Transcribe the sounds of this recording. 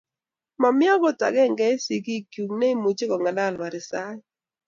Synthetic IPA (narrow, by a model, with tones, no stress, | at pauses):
ma˨mɪ˦ɔ˦ɡɔ˦ta̰˨ɡɛ˦˨ŋɡɛ˦si˨ki˦kju˨ŋne˦i˦mu˨t͡ʃe˦kɔ˨ŋa˨da˦˨lma˨ɾɪ˨sa˦j